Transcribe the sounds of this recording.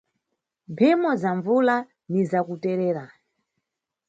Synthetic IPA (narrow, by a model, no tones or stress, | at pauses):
mpʰimɔzaɱvula | nizakutɛɾɛːɾa